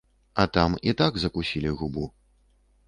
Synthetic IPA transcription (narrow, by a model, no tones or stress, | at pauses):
ɐt̪amit̪aɡzɐkusʲilʲiɣubu